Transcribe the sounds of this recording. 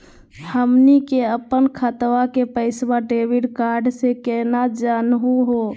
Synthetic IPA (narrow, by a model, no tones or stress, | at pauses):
həmnikeəpːənkʰət̪ʋakepəɪsbaɖeʋiɖkaɾɖsekɛnad͡ʒanɦuɦo